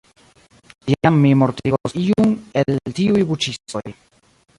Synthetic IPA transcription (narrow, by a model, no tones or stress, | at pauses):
ijamːimoɾtiɡosiuneltiujbut͡ʃiso̰j